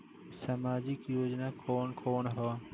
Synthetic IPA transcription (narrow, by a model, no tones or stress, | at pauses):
səmaːd͡ʒɪkjoːd͡ʒnaːkʰoːɳkʰoːɳɦaː